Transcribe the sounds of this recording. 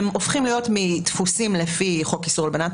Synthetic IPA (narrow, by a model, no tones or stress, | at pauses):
mofχimlijo̞tmit̪fusimlefiχo̞kisuʁlbenat̪